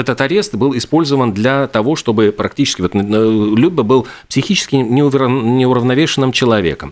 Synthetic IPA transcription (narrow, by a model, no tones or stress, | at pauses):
ɛt̪ət̪ɐɾʲe̞st̪bɨlˠɪspo̞lʲzəvənd̪lʲɐt̪ɐvo̞ʂt̪o̞bɨpɾɐktʲit͡ɕɪ̥skʲɪvot̪əlʲud̪̚ʲbəbɨlˠpsʲɪxʲit͡ɕɪskʲɪnʲɪʊvnʲɪʊɾəvnɐvʲeʂɨnːɨmt͡ɕɪlˠɐvʲe̞̰kəm